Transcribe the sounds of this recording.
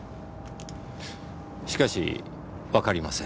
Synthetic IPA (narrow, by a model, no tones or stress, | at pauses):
ɕi̥kaɕḭ | βakaɾʲimasẽ